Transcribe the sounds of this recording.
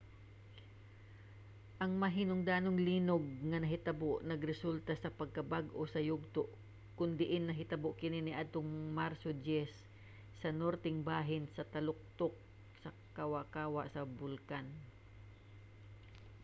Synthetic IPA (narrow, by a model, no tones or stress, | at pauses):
ʔɐŋmɐɦinoŋd̪aːnoŋliːnoɡ̚ŋɐnɐɦɪt̪ɐboʔnɐɡɾɛsult̪ɐsɐpɐɡ̚kɐbaɡʔosɐjʊɡ̚t̪oʔ | kʊnd̪ɪʔɪnːɐɦɪt̪ɐboʔkɪnɪnɪʔad̪̚t̪oŋmaɾsod͡ʒɛsː | ɐnoɾt̪ɛŋbaːɦɪnsɐt̪ɐlʊk̚t̪ok̚ | sɐ | kawakaːwaʔsɐbʊlkan